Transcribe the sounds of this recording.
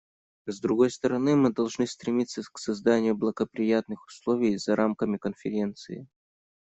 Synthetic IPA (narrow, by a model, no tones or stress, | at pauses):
zd̪ɾʊɡo̞jst̪əɾɐnɨmɨd̪ɐlˠʐnɨst̪ɾʲɪmʲit̪sːəksɐzd̪anʲɪjʊblˠəɡəpɾʲɪjat̪nɨxʊ̥slˠovʲɪjzɐɾʔamkəmʲɪkənfʲɪɾʲe̞nt̪sɨɪ̰